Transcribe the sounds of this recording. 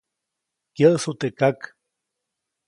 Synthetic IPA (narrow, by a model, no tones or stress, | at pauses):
kjəʔsut̪ekak